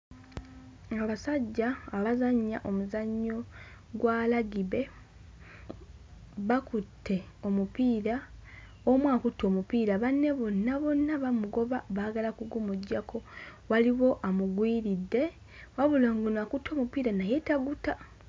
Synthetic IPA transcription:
aβasaɟːaːβazaɲːaʔo̞muzaɲːo̞ɡwalaɡiβe̞ | βakutʰːe̞ | o̞mupiːɾa | omwaːkutːo̞mupiːɾaβanːe̞βo̞nːaβo̞nːaβamuɡo̞βaβaːɡalakuɡumuɟːakʰo̞waliβo̞ʔamuɡwiːɾidːe̞ | waβulaŋɡonakutːo̞ːmupiːɾanaje̞taɡuta

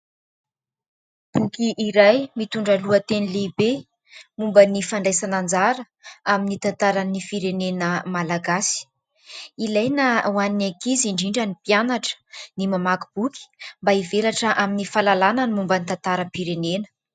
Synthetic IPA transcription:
b̥ukiʔiɾajmit̪uɳɖ͡ʐaluət̪enileibe | mumbənifaɳɖ͡ʐajsanand͡zaɾə | aminit̪ant̪aɾanifiɾenenəmalaɡasi̥ | ilajnəwaninakiziɳɖ͡ʐiɳɖ͡ʐanipianaʈ͡ʂə̥nimamaku̥b̥uki̥mbaivelaʈ͡ʂəʔaminifalalananimumbənit̪ant̪aɾəpiɾenenə̥

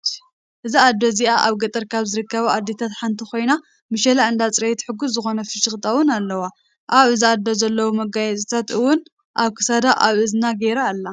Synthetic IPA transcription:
ʔɨziad̪ːo̞ziʔaʔaβɡɐt̪ʼɨɾkʰaβzɨɾɨkːɐβɐad̪ːet̪ʰat̪ħant̪ʰiko̞jna | mɨʃɐlaɨnd̪at͡sʼɾɐjt̪ħɨɡuszɨxo̞nɐfɨʃɨxt̪ʼɐwʊnalːɐwa | ʔaβɨziad̪ozɐlːɐwumɐɡajɛt͡sʼɨt̪ʰat̪ɨwʊn | ʔaβkʰɨ̥sad̪aʔaβʔɨznaɡeɾaːlːa

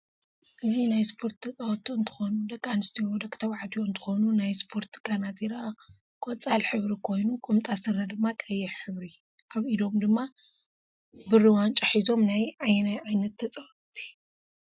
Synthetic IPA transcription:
ʔɨzinajspʰo̞ɾt̪ʰːɐt͡sʼawɔt̪ʰʼiɨnt̪ʰɨ̥xonud̪ɐkʼanɨst̪ʰiod̪ɐkʼt̪ʰɐβʕad̪ʰijoɨnt̪ʰɨ̥xonunajspʰo̞ɾt̪ɡanat̪ʰiɾa | kʼot͡sʼalħɨβɾikʰo̞jnukʼɨmt̪ʼasɨɾːɐd̪ɨmːakʼɐjːɛħħɨβɾi | ʔaβid̪o̞md̪ɨmːa | bɨrːiwant͡ʃʼaħizo̞mnajʕajnajʕajnɐt̪ʰːɐt͡sʼawɔt̪ʰʼi̥

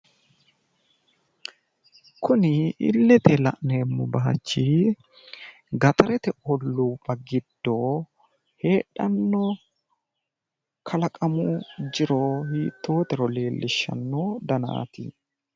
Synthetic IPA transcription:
kʰʊnɪɪ̰lːɛt̪ɛlɐ̰ʔneːmːʊbaːt͡ʃːi | ɡɐt̪ʰʼɐɾɛt̪ɛʔɔlːuːbɐɡɪd̪ːoː | he̞ːᶑɐnːo | kʰɐlɐkʼɐmud͡ʒɪɾoːhiːt̪ːo̞ːt̪ɛɾɔle̞ːlːɪʃːɐ̰nːoːd̪ɐna̰ːt̪ɪ̰

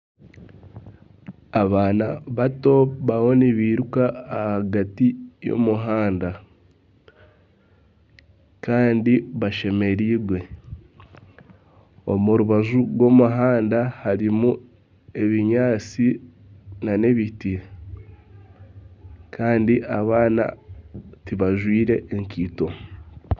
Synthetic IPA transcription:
aβaːnaβato̞βawo̞niβiɾukaːhaɡatijo̰muɦaːnda | kaːndiβaʃe̞me̞ɾiːɡwe̞ | o̰muɾuβaʒuɡwo̞ːmuɦaːndahaɾimu | e̞βiɲaːt͡si | nane̞βiti | kʰaːndiʔaβaːna̰tiβaʒwiːɾe̞ʔːŋkiːto̞

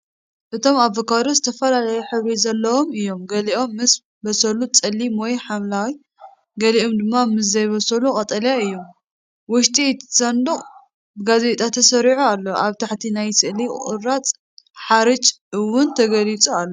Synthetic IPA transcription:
ʔɨt̪ʰo̞mavokad̪ɾozɨt̪ʰɐfɐlalɐjɛħɨβɾizɐlːɐwo̞mɨjːo̞mɡɐliʔo̞mːɨs | bɐsɐlut͡sʼɐlːimwɔjħamlawi | ɡɐlio̞md̪ɨmːamɨs̬zɐjβɐsɐlukʼɐt̪ʼɐljaɨjːo̞m | wʊʃt̪ʼit̪sɐnd̪ɨχʼ | bɨɡazet̪ʼat̪ʰɐsɐɾiʕualːoʔaβt̪ʰaħt̪ʰinajsɨʔliɨ̰ɾat͡sʼ | ħaɾɨt͡ʃʼɨwːʊnt̪ʰɐɡɐlit͡sʼualːo

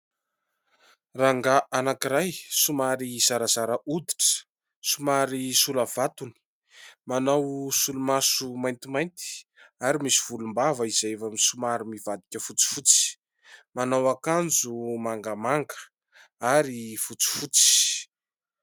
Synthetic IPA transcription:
raŋɡaʔanakiɾajsumaɾiz̥aɾazaɾaʔud̪iʈ͡ʂə̥ | sumaɾisulavat̪uni̥ | manawsulumasumajnt̪imajnt̪i̥aɾimisiv̥ulumbavəiz̥ajevamsumaɾimivad̪ikʲəfut͡si̥fut͡si̥ | manawakand͡zumaŋɡamaŋɡə̥ | aɾifut͡si̥fut͡si̥

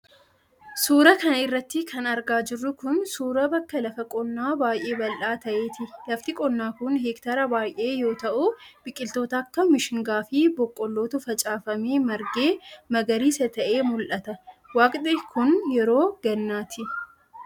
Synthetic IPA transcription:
suːɾɐkɐnɐɪrːɐt̪ːɪkʰɐnɐɾɡaːd͡ʒɪrːʊkʊnsuːɾɐbɐkːɐlɐfɐkʼɔnːaːbaːjʔe̞ːbɐlʔaːt̪ɐʔe̞ːt̪ɪlɐft̪ɪkʼɔnːaːkʊnheːkt̪ɐɾɐbaːjʔe̞ːjo̞ːt̪ɐʔʊb̥ɪkʼːɪlt̪o̞ːt̪ɐːkːɐmɪʃɪŋɡaːfɪbɔkʼːɔlːoːt̪ʊfɐt͡ʃʼaːfɐmeːmɐɾɡe̞ːmɐɡɐɾiːsɐt̪ɐʔe̞ːmʊlʔɐt̪ɐwaːkʼᶑɪkʰʊnjɛɾo̞ːɡɐnːaːt̪ʰɪ

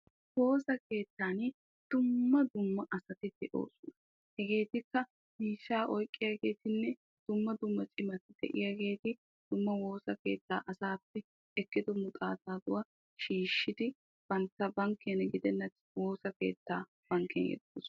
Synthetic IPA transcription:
wo̞ːsɐke̞ːt̪ːaːn | d̪̥ʊmːɐd̪ʊmːɐʔɐsɐt̪ɪd̪̥ɛʔo̰ːsʊnɐ | hɛɡe̞ːt̪ɪkːɐ | miːʃːaːʔɔjkʼːɪjaɡe̞ːt̪ɪnːɛ | d̪̥ʊmːɐd̪ʊmːɐt͡ʃʼɪmɐt̪ɪd̪̥ɛ̰ʔɪ̰jaɡe̞ːt̪ɪ | d̪̥ʊmːɐwo̞ːsɐke̞̰ːt̪ːa̰ːʔɐsaːpːɛ | ɛkːɪd̪ɔmʊt̪ʼa̰ːt̪aːd̪ʊwa | ʃiːʃːɪd̪ɪ | b̥ɐnt̪ːɐbɐŋkʰːɛnɡɪd̪ɛnːɐ | wo̞ːsɐke̞̰ːt̪ːaː | b̥ɐŋkːɛ̰njɛ̰d̪o̰ːs

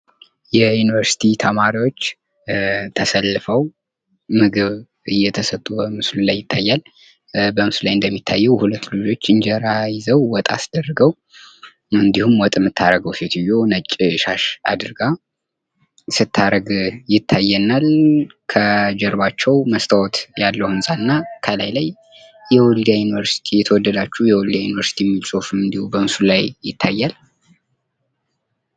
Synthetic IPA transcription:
jɛjunɨvəɾsi̥t̪ʰit̪ʰəmaɾiwo̞t͡ʃː | t̪ʰəsəlːɨfəw | mɨɡɨβ | ɨjːɛt̪ʰəsət̪ʼːubəmɨslulajːɪt̪ʰːajːal | bəmɨsulajɨnd̪əmːit̪ʰːajːɛwhulət̪ːlud͡ʒo̞t͡ʃːɨnd͡ʒɛɾajɪzəwwɔt̪ʼa̰sɨd̪ərːəɡəw | ɨnd̪ihumwɔt̪ʼmɨt̪ʰːaɾəɡəwset̪ʰujo̞nət͡ʃʼːʃaʃa̰d̪ɨɾɡa | sɨt̪ʰːaɾəɡjɪt̪ʰːajːɛnalkʰəd͡ʒɛɾβat͡ʃːɛwməst̪ʰawɔt̪jalːəhɨmsʼanɨnːakʰəlajlaj | jɛwɔld̪ajunɨvəɾsi̥t̪ʰijɛt̪ʰəwɔd̪ːəd̪at͡ʃːujɛwɔld̪ajunɨvəɾsi̥t̪ʰijɛmːilsʼofmɨnd̪ihubəɨmsulajjɪt̪ʰːajːal

